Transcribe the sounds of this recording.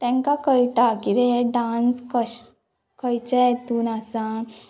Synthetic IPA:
t̪ɛ̃ŋkakəɾit̪akid̪eɖãnskəɕ | kʰəjt͡ɕɛt̪unasã

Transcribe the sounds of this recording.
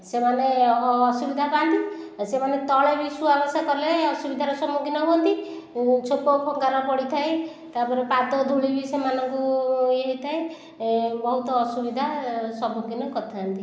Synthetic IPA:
semaneːsubid̪ʱapant̪isemanet̪ɔɭebisubabasakɔɾleɔsubid̪ʱaɾɔsɔmukinɔbɔnt̪i | t͡ʃʰokɔkʰɔŋkaɾɔpɔɽit̪ʰaj | t̪apɔɾepad̪ɔd̪ʱuɭibisemanɔŋkueɦit̪ʰaj | bɔɦut̪ɔːsubid̪ʱasɔmuɡinɔkɔt̪ʰant̪i

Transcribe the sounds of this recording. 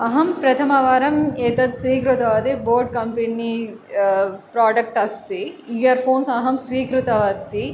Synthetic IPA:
ɐɦɐmpɾɐt̪ʰɐmɐʋaːɾɐmet̪ɐt̪sʋiːkɾut̪ɐʋɐt̪iboːɾɖ̚kɐmpeni | pɾaːɖɐk̚ʈɐst̪iijɐɾpʰoːnsɐɦɐmsʋiːkɾut̪ɐʋɐt̪i

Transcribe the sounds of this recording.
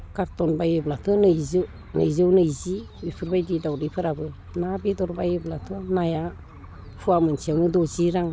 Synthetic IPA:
kaɾtɔnbajɯblatʰɯnɯjzɯ | nɯ̰jzɯwnɯjzi | wipʰɯɾbajdidawdɯjpʰɯɾabɯ | nabidɔɾbajɯblatʰɔnaja | pʰuamɯnsiawnɯdɔziɾaŋ

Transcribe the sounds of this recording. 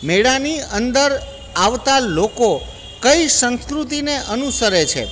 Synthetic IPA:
meɽaniənd̪əɾ | aʋt̪aloko | kəisə̃nskɾut̪ineʔənusəɾet͡ʃʰḛ

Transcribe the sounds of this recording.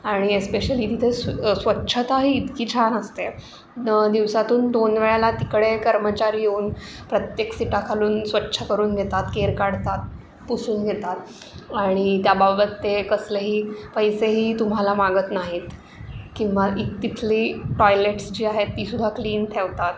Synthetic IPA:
aɽ̃iespeɕəlit̪it̪ʰessʋətːɕʰət̪aɦiːd̪kiːt͡ɕʰanəst̪e | d̪iʋsat̪uːnd̪onʋeɭalat̪ikɽekəɾmət͡ɕaɾijeuːn | pɾət̪jeksiʈakʰaluːnsʋətːɕʰəkəɾuːnɡʱet̪at̪keɾkaɽt̪at̪̚ | pusuːnɡʱet̪at̪ | aɽ̃it̪jababət̪ːekəsleɦiːpəjseɦiːt̪um̤alamaɡət̪naɦit̪ | kĩwʋaʔitt̪it̪ʰliːʈɔjleʈsd͡ʑiːaɦet̪ːiːsud̪ʱːakliːnʈʰeʋt̪at̪

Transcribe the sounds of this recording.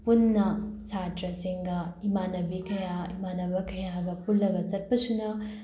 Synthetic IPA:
punːɐt͡ʃatɾɐsiŋɡɐimanɐbikɐjaimanɐbɐkɐjaɡɐpulːɐɡɐt͡ʃɐt̚pɐsunɐ

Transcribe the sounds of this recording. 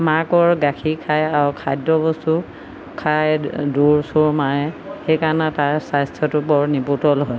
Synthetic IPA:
makɔɹɡakʰikʰajaɹukʰajdɔbɔstu | kʰajduɹsuɹmaɹɛxejkaɹnataɹsajstʰɔtʊbɔɹniputɔlɦɔj

